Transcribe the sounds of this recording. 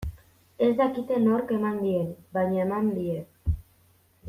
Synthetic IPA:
e̞zd̪akit̪e̞noɾke̞mand̪ienbajɲaemand̪iek

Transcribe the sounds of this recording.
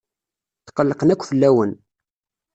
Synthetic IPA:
θqːəlːəqənækʷːfəlːæwən

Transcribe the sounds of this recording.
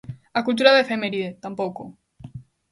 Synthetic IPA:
akult̪̬uɾaðefemeɾiðet̪ampoko

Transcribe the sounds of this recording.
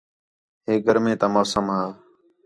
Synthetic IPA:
ɦeːɡʱəɾmẽːt̪aːmoːsəmɦaː

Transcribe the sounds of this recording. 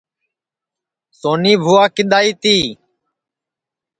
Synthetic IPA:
soːniːbʱʊːaːkɪɗ̪aːiːt̪iː

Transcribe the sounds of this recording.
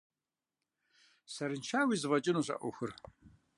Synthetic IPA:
sɐɾɨnt͡ʃʰaːwiːzɨvɐt͡ʃʼɪnuːɕʼɐ̰ʔʷʊ̰xɨr

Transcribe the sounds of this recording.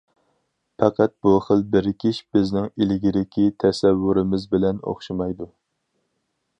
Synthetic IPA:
pʰɑqʰæt̪̚b̥uχəlˠbɪɾkʲʰiʃb̥ɪznɪŋilɪɡʲiɾɪkʲʰit̪ʰɛsɛwːuɾɪmɪzbɪlɛno̰χʃimɑjd̪u

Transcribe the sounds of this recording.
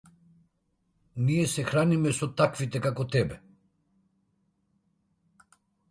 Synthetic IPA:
niɛsɛxɾanimɛsɔt̪akvit̪ɛkakɔt̪ɛbɛ

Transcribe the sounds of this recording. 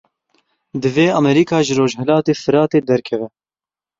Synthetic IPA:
d̪ɨveːɑmɛɾiːkʰɑːʒɨɾoːʒɦɛlɑːt̪eːfɨɾɑːt̪eːd̪ɛɾkʰɛvɛ

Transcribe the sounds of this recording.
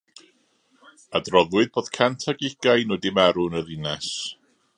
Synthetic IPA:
adrɔðwɨðboːð̥kʰantʰaɡɪɡ̥ajnoːdɪmaɾʊnəðɪnɛs

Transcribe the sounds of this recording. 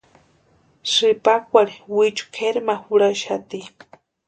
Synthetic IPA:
sɨpak̚ʷaɾiwit͡ʃu̥kʰeɾmahuɽaʃat̪i

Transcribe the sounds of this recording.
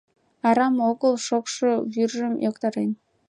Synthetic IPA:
ɑɾɑmoɣəlˠʃokʃoβyrʒəmjokt̪ɑɾen

